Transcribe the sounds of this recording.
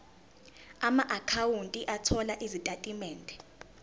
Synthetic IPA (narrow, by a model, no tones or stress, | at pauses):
amaʔakʰawuntʼiʔatʰɔlaʔizitʼatʼimɛːndʱɛ